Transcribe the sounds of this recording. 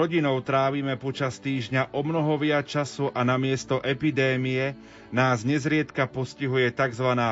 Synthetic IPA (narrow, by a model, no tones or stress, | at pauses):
ɔɟinɔʊt̪ɾaːʋiːmɛpɔt͡ʃast̪iːʒɲaʔɔmnɔɦɔʋɪat͡ʃasuʔanamɪɛst̪ɔʔɛpid̪ɛːmijɛ | naːzɲɛzɾɪɛt̪kapɔsciɦujɛt̪aɡzʋanaː